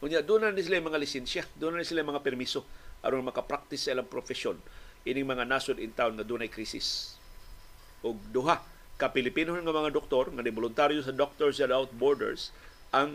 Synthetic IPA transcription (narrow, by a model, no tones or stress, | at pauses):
ʔʊnjaʔd̪unanɪs̬ɪlajmɐŋalɪsɛnsjad̪unanɪsɪlajmɐŋapɛɾmisoʔɐ̰ɾonɐŋmɐkapɾak̚t̪ɪsːɐɪlaŋpɾofɛsonʔinɪŋmɐŋanasʊd̪ɪnt̪aonŋɐd̪ʊnɐjkɾiːsɪ̰s | ʔʊɡ̚d̪ʊɦa | kɐpɪlɪpinohonŋɐmɐŋad̪ok̚t̪oɾŋɐd̪ɪbolʊnt̪aɾjos̬ɐd̪ok̚t̪oɹs̬ad̪awt̪̚boɹd̪ɛ̰ɹs | ʔɐŋ